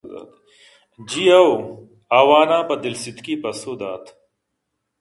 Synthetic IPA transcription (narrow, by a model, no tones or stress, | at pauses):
a̰ːt̪ | d͡ʑiɐw | aːwaːnãːbɐd̪ilsit̪kiːpɐsoːd̪aːt̪ʰ